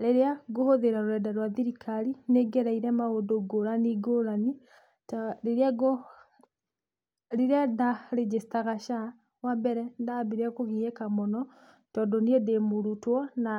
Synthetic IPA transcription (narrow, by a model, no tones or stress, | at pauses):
ɾeɾeaɡohoðeɾaɾoɾɛdaɾwaðiɾikʰaɾineɡɛɾaiɾɛmaondoɡoɾaniɡoɾani | tɾeɾeaɡo | ɾeɾeadaɾed͡ʒestaɣaʃa | wambɛɾɛndabeɾeakoɣiɛkamɔnɔ | tɔdɔniɛdemoɾutwɔna